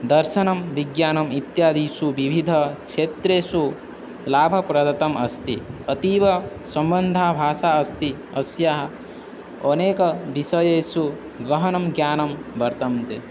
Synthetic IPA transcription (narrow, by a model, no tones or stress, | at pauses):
d̪ɐɾʃɐnɐmʋiɡjaːnɐmit̪jaːd̪iːsuʋibʱid̪ʱɐkʃʰeːt̪ɾeːsu | laːbʱɐpɾɐd̪ɐt̪ɐmɐst̪iɐt̪iːʋɐ | sɐmbɐnd̪ʱaːbʱaːʃaːɐst̪i | ɐsjaɦɐ | ɐneːkɐʋiʃɐjeːsu | ɡɾɐɦɐnɐmɡjaːnɐmbɐɾt̪ɐmt̪e